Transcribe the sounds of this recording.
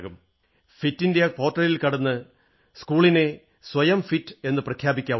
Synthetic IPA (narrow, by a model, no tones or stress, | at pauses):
ɣum | fitːindejɐpo̞ːʈrɐlilkɐɽɐnːɨ | skuːɭine̞ | sʋɐjɐmfitːɨe̞nːɨprɐkʰjaːbikʲːaː